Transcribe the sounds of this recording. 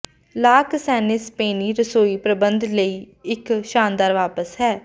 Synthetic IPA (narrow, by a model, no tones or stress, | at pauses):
laːksɛːnɪspeːniːɾəsoːiːpɾəbənd̪ləiː | ɪkʃaːnd̪aːɾʋaːpəsɦɛː